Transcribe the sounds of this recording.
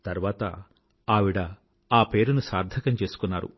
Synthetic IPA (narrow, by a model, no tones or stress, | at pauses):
t̪ɐɾʋaːt̪ɐ̰ | aːʋiɽɐ | aːpe̞ːɾunusaːɾd̪ʱɐkɐmt͡ʃe̞ːsu̥kunːaːɾṵ